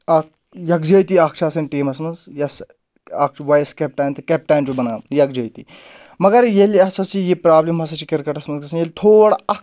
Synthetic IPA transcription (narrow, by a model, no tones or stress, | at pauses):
ɐk̚ | jɐkd͡ʒəjt̪iɐk̚t͡ʃʰaːsɐnʈiːmɐsmɐnzjɐs | ɐk̚t͡ʃʰʋɐjskʲep̚ʈaːnt̪ɨkʲep̚ʈaːnt͡ʃubɐnaːjɐk̚d͡ʒəjt̪i | mɐɡɐɾjeliɐsɐst͡ʃijipɾaːblembɐs̬ɐt͡ʃikeɾkɐʈɐsmɐnzkɐsənjelʲt̪ʰoːɽaɐk